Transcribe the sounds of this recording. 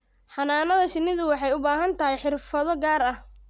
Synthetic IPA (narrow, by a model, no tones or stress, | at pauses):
ħɑnaːnɐðɐʃɪnːɪðʊwɑħɑjʊbaːɦɐnt̪ʰɐɦɛjħɪrfɐðɔɡaːɾɐh